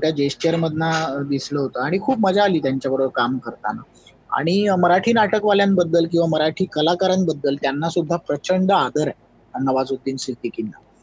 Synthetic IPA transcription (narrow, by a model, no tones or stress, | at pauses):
jad͡ʑesʈiəɾməd̪ʱnad̪isləɦot̪əaɽ̃ikʰuːp̚məd͡zʱaːliːt̪jaɲt͡ɕjaʋəɾoʋəɾkamkəɾt̪a̰na̰ | a̰ɽ̃iməɾaʈʰiːnaʈəkʋaljanbəd̪ːəlkĩw̃ʋaməɾaʈʰiːkəlakaɾənbəd̪ːəlt̪janːasud̪ʱːapɾət͡ɕəɳɖəad̪əɾ | nəʋad͡zud̪ːiːnsid̪ikinːa̰